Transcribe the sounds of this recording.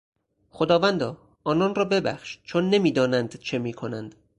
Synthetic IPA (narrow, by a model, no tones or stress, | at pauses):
xod̪ɒːvænd̪ɒː | ɒːnɒːnrɒːbe̞bæ̰xʃt͡ʃʰonːe̞miːd̪ɒːnænd̪t͡ʃʰe̞miːkʰo̞nænd̪̥